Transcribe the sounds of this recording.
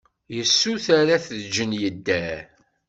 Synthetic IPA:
jəsːuθaɾaθðd͡ʒənjəd̪ːæ

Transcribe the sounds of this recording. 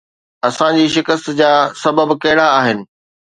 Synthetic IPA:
ɐsãd͡ʑiːʃɪkəst̪d͡ʑaːsɐbəbkɐɦɪɽaːɦɪnɪ̆

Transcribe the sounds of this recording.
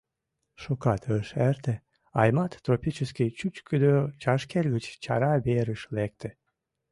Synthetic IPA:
ʃukɑt̪ʰəʃæɾt̪e | ɑjmɑt̪ːɾopʲit͡ʃeskʲit͡ʃyt͡ʃkʰyd̪øt͡ʃɑʃkelʲɡɨt͡ʃt͡ʃɑɾɑbeɾəʃlek̚t̪ĕ

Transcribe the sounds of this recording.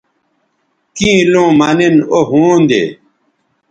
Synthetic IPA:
kĩːlõːmanenoɦũːnd̪ḛː

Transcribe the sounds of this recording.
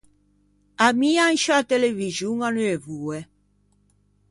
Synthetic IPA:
amian̩ʃatelevizuŋanuevuwɛ

